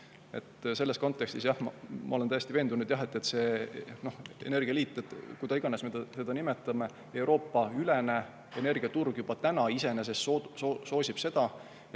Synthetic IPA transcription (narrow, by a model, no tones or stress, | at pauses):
e̞̰t̪ːse̞lːe̞sko̞nt̪ːˑe̞kst̪isjɑhmɑmɑ̰ole̞næjest̪ive̞ːnd̪unud̪̥jɑɦet̪ːˑe̞t̪se̞no̞hḛne̞rɡ̥iɑliːt̪ˑːet̪ːkujd̪ɑiɡ̥ɑnesmet̪ɑse̞d̪̥ɑnimet̪ːˑɑme̞ | e̞wɾo̞ːpːˑɑylene̞ | ene̞rɡ̥iɑt̪urɡ̥jub̥ɑt̪ænɑise̞ne̞s̬e̞sooso̞ːsib̥se̞d̪̥ɑ